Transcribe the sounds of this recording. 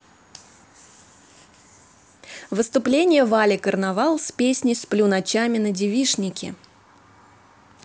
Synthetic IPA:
vɨst̪ʊplʲenʲɪjəvalʲɪkərnavɑlˠsʲpʲesʲnʲɪsplʲʊnɐt͡ɕamʲɪnədʲɪvʲiʂnʲɪkʲɪ̰

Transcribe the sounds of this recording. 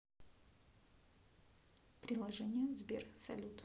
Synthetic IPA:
pɾʲɪlˠɐʐɛnʲɪjəvzbʲersɐ̰lʲut̪

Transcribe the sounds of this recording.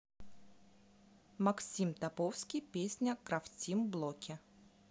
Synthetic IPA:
mɐksʲimt̪ɐpofskʲijpʲesʲnʲəkɾɐftʲimblˠokʲɪ

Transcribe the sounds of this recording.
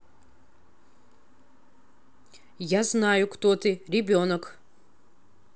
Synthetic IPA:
jaznaːjukʰt̪ot̪ʰɨrʲebʲonɔkʰ

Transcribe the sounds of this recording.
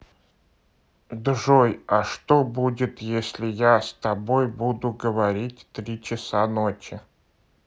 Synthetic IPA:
d̪ʐojɐʂt̪obudʲɪt̪jesʲlʲɪjast̪ɐbo̞jbud̪ʊɡəvɐɾʲitʲt̪ɾʲit͡ɕɪsanot͡ɕɪ

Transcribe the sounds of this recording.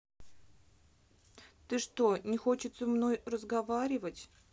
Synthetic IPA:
t̪ɨʂt̪onʲɪxo̞t͡ɕɪt̪səmno̞jrəzɡɐvaɾʲɪvətʲ

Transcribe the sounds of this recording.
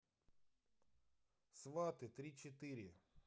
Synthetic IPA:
sʋɑt̪ɨt̪ɾʲit͡ʃet̪ɪɾʲɪ

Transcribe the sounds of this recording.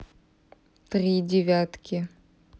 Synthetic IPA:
t̪rʲidʲɪvʲat̪kʲɪ

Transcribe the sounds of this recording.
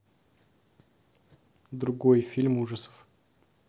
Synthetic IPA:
d̪ɾʊɡojfʲilʲmuʐəsə̥f

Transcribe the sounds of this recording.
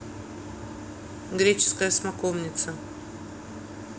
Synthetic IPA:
ɡɾʲet͡ɕɪ̥skəjəsmakomnʲɪt̪sə

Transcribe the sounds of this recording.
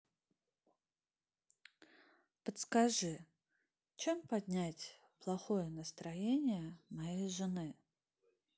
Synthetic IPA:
pət̪skɐʐɨ | t͡ɕempɐd̪ʲnʲætʲ | plˠɐxo̞jənəst̪ɾɐjenʲɪjəmɐjejʐɨnɨ

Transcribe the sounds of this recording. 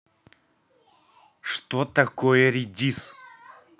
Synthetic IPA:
ʂt̪ot̪ɐkojəɾʲidʲis

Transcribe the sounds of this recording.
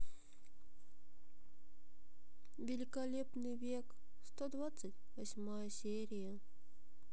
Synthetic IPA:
vʲɪlʲɪkɐlʲepnɨjvʲek | st̪od̪vat̪sətʲvɐsʲmajəsʲeɾʲɪjə

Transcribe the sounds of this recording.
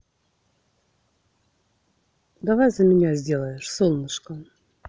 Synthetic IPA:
d̪avajzəmʲɪnʲazʲdʲelˠəjɪʂsonːɨʂkə

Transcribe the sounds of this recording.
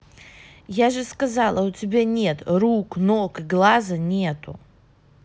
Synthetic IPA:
jaʐɨskazalˠautʲɪbʲenʲet̪ruknokɨɡlˠazɐnʲet̪ṵ

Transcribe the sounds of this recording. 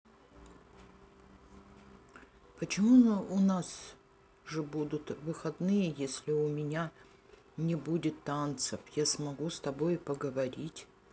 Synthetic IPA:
pət͡ɕɪmuʊnas | ʐɨbud̪ʊt̪vɨxɐd̪nɨjəjesʲlʲɪʊmʲɪnʲa | nʲɪbudʲɪt̪ːant̪səfjasmɐɡust̪ɐbojpəɡəvɐɾʲitʲ

